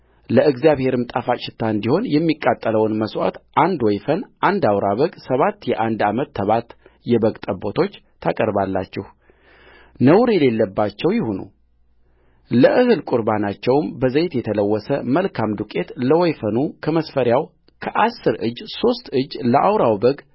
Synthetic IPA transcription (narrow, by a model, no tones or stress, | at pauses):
ləɨɡzjaβhe̞ɾɨmt̪ʼafat͡ʃʼɪt̪ʰːaɨnd̪iho̞njɛmːikʼːat̪ʼːələwɨnməswa̰t̪ʔand̪wɔjfənʔand̪awɾaβəɡsəβat̪ːjɛʔand̪amət̪ːəβat̪jɛbəɡt̪ʼəbo̞t̪ʰo̞t͡ʃːt̪ʰːakʼəɾbalːa̰t͡ʃːɛh | nəwɾjɛle̞lːəbːat͡ʃːɛwjɪhunṵ | ləʔɨhɨlkʼuɾbanat͡ʃːɛwmbəzəjt̪jɛt̪ʰələwːɔsəməlkʰamd̪ukʼe̞t̪ləwɔjfənukʰəməsfəɾjaw | kʰəʔasːɨɾʔɨ̰d͡ʒːso̞st̪ɨd͡ʒːləʔawɾawbəɡ